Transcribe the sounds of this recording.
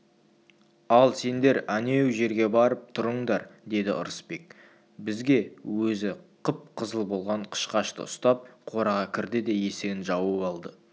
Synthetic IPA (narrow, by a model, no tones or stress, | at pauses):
ɑlˠse̞nd̪e̞ɾæne̞wʒe̞ɾɡʲe̞bɑɾəp̚t̪ʰʊɾəɴd̪ɑɾd̪e̞d̪ɪʔʊ̰ɾəspe̞k̚ | bɪzɡʲe̞wɵzɪqʰəp̚qʰəzəlˠbo̞lˠʁɑɴqʰə̥ʃqɑʃt̪ə̰ʊst̪ɑp̚qʰo̞ɾɑʁɑkʲʰɪɾd̪ɪd̪e̞je̞seɪnʒɑwəɑlˠd̪ə